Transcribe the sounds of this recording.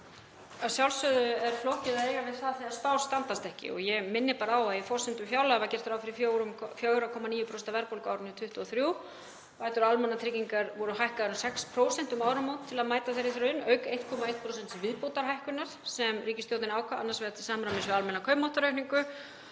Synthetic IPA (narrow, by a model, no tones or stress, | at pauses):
asjawlsœðʏɛɾ̥flowhcɪðaðeːjɣavɪðθaðθiaɾ̥st̪awst̪ant̪ast̪ɛhcɪ̰ɔ̰ɣjɛmɪnːɪpaːɾaawaðjɛfɔr̥sɛnt̪ʏmfjawlaɛvaðcɛr̥t̪fɾaːwfɪɾɪfoɾfjoːwɾakʰɔmaniːjʏpʰosɛnt̪avɛɾpowlkaːwɾɪnːʏt̪ʰʏht̪ʏɔθɾjuːw | vaːjt̪ʏɾalmɛnat̪ʰɾɪciŋkaɾvɔɾʏɦajhkaðnsɛkspʰɾoːwsɛnt̪umaːwɾamowt̪t̪ʰːɪlaðmaːjt̪aθejɾːɪθeɾʏɪnːœːɥkejht̪̚kʰɔmaejht̪pʰɾowsɛnt̪svɪðpowt̪aɾ̥ɦajhkʏnaɾ̥sɛmriːcɪst̪jowt̪nɪnaːwkʰaʔa̰nːaɾsvɛːðat̪ʰɪ̥saːmɾamɪnsvɪalmɛnːakʰœɥpmɔwht̪aɾœɥhniŋkʏ